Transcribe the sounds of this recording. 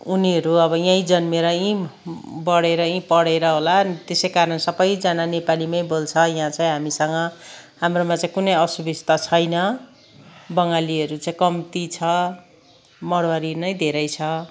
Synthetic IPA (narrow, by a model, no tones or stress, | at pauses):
uniɦʌɾuʌbʌjãĩd͡zʌnmeɾʌĩbʌɽeɾʌĩpʌɽeɾʌɦolant̪esʌjkaɾʌnsʌbʌjd͡zananepalimʌj̃bolt͡sʰʌjãt͡saĩɦamisʌŋɡʌhamromat͡saĩkunʌjʌsubist̪ʌt͡sʰʌjnʌ | bʌŋɡaliʌɾut͡saĩkʌmt̪it͡sʰʌ | mʌɽwaɾinʌj̃d̪ʱeɾʌjt͡sʰʌ